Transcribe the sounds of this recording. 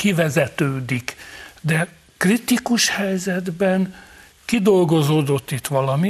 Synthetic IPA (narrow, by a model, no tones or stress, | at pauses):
kivɛzɛt̪øːd̪ikd̪ɛ | krit̪ikuʃhɛjzɛd̪bɛn | kid̪o̞lɡo̞zoːd̪o̞t̪ːit̪ʋɒlɒmi